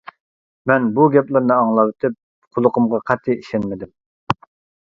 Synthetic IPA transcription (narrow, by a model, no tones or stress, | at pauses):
mɛnbuɡʲɛplˠɨɾnɨɑŋlˠɑwɪt̪ʰɪp̚ | qʰʊlˠʊqʰʊmʁɑqʰɑt̪ʰːɨiʃɛnmɪd̪ɪm